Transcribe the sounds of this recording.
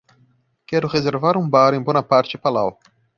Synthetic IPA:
kɛɾʊʁezeɾvaɾũbaɾẽj̃bõnɐpaɾt͡ʃɪpalaw

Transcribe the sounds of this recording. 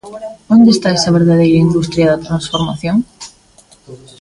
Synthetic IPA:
ond̪est̪aɛsɐβeɾðaðejɾɐind̪ust̪ɾjɐðɐt̪ɾansfoɾmaθjoŋ

